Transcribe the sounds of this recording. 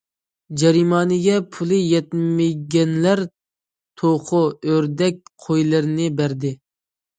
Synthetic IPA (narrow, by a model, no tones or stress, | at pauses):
d͡ʒɛɾimɑːnɪɡʲɛpʰulˠɨjɛt̪̚mɪɡʲɛnlæɾ | t̪ʰoqʰʊøɾd̪ɛk̚ʲqʰojlˠɨɾnɪbæɾd̪ɪ